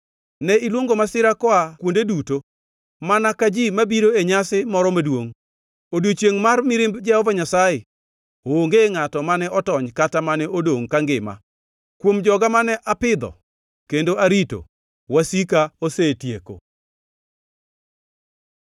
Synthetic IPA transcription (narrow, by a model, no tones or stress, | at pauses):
nɛilwoŋɡomasɪɾakɔakwondeduto | manakad͡ʒimabiɾoeɲasɪmɔɾɔmadwoŋ | odot͡ʃjeŋmarmɪɾɪmbd͡ʒɛhɔvaɲasaje | ooŋɡeŋatɔmanɛɔtɔɲkatamanɛʔodoŋkaŋɡɪma̰ | kwomd͡ʒɔɡamanɛʔapɪd̪ɔ̰ | kendoaɾito̰ | wasikaosetjeko̰